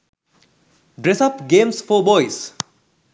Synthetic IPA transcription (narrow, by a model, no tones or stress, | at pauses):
ɖɾesɐpɡemspʰobɔjs